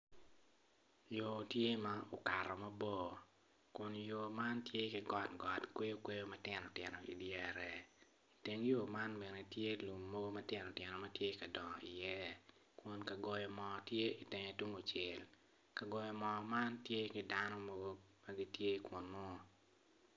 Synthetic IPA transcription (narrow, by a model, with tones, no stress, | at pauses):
jo˨tje˦ma˦o˨ka˨ɾɔ˨mɐ˦bo˦˨ | kʊ˨njo˨ma˦ntje˦kɪ˨ɡɔ˦tɡɔ˨tkwe˦o˦kwe˦jo˦mɐ˦tjɪ˨nɔ˨tjɪ˨no˨ḭ˨djɛ˦˨ɾɛ˨ | i˨te˦ŋjo˨ma˦nmɛ˨nɛ˨tje˦lu˨mːo˦ɡo˦mɐ˦tjɛ˨nɔ˨tjɛ˨nɔ˨mɐ˦tje˦ka˨dɔ˨ŋɔ˨ḭ˨jɛ˦ | kʊ˨nka˨ɡɔ˨jɔ˨mɔ˨tje˦i˨te˨ɲe˨tu˦ŋo˨t͡ʃɪ˨l | ka˨ɡɔ˨jɔ˨mɔ˨ma˦ntje˦ki˨da˦nɔ˦mo˦ɡo˦ma˦ɡi˦tje˦kʊ˨nmɔ˦˨